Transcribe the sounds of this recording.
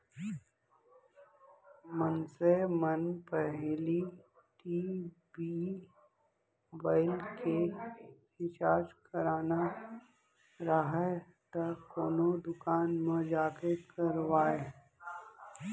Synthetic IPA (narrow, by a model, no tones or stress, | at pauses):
mənsemənpɛɦli | ʈiː | bi | obaːɪlke | ɪt͡ʃaːd͡ʒkɐɾaːna | ɾaɦa | t̪akoːnod̪ʊkaːnmẽd͡ʒaːkekʰəɾʋaːe